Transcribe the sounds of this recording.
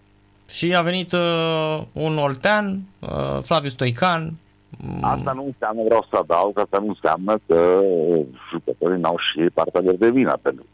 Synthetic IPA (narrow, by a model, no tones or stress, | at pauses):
ʃiave̞nit̪ | unolt̪ean̰ | flavius̬t̪ojkan | a̰t̪anunseamnəvɾawsəad̪awkast̪anunsea̰mnəkə | ʒukət̪oɾinawʃipa̰rt̪ealo̞rd̪e̞vinə̰pent̪ɾuk